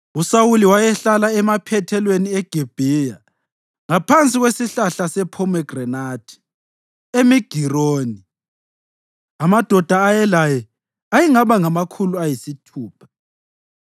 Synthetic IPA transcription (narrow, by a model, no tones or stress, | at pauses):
usawuliwajɛɬalaɛmapʰɛtʰɛlweniɛɡ̥ʱib̥ʱija | ŋapʰant͡sʼiɣwesiɬaɬasɛpʰɔmɛɡ̥rɛnad̥ʰʱi̥ | emiɡ̥ʱiroːni | amad̥ʱɔd̥ʱaːjɛlajɛ | ajiŋaβaŋamakʰuluajisitʰuːpʰḁ